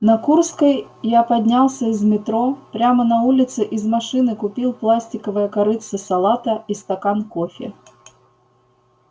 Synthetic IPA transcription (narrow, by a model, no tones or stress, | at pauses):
nɐkurskɐj | japad̪ʲnʲalˠsʲɐzʲmʲɪt̪ɾɔpɾʲamɐnɐulʲɪt̪sɨʔizmaʂɨnɨkʊpʲilˠplˠasʲtʲɪkəvɨjɐkaɾɨt̪sɨsalˠat̪ɐist̪akankɔfʲɪ̰